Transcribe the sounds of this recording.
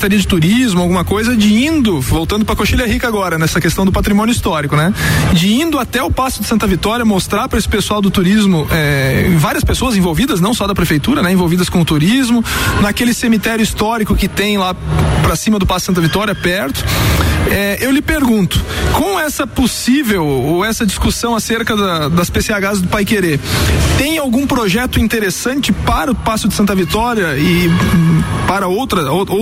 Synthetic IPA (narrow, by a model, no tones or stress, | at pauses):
t̪aɾiɐd͡ʒɪt̪uɾizmʊawɡũmɐkojzɐd͡ʒɪĩnd̪ʊvowt̪ɐ̃nd̪ʊpɾɐkoʃiʎɐɦikɐaɡɔɾɐnɛsɐkest̪ɐ̃w̃d̪ʊpat̪ɾimõnjʊist̪ɔɾikʊnɛd͡ʒɪĩnd̪ʊat̪ɛʊpasʊd̪ɪsɐ̃nt̪ɐvit̪ɔɾjɐmost̪ɾaɾpɾɐesɪ̥pesuawd̪ʊt̪uɾizmʊʔɛ̃vaɾiɐspesoɐzẽvowvid̪ɐznɐ̃w̃sɔd̪ɐpɾefejt̪uɾɐnɛẽvowvid̪ɐskõʊt̪uɾizmʊnakelɪsemit̪ɛɾjʊist̪ɔɾikʊkɪt̪ẽj̃lapɾɐsĩmɐd̪ʊpasʊd̥sɐ̃nt̪ɐvit̪ɔɾjɐpɛɾt̪ʊ̥ | ɛʔewlɪpeɾɡũnt̪ʊ̥kõw̃ɛsɐposivewoɛsɐd͡ʒiskusɐ̃w̃aseɾkɐd̪ɐd̪ɐspeseaɡazzd̪ʊpajkeɾet̪ẽj̃awɡũpɾoʒɛt̪ʊĩnt̪eɾesɐ̃nt͡ʃɪpaɾɐʊpasʊd̪ɪsɐ̃nt̪ɐvit̪ɔɾjɐɪ | paɾɐowt̪ɾɐoo